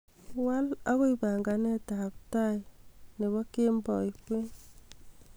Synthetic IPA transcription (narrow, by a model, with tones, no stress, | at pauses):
wa˦la˦ɣo˦iba˨ŋɡa˨nɛ˦tap̚tajne˨βɔ˦ke˦mbɔ˨jkwe˦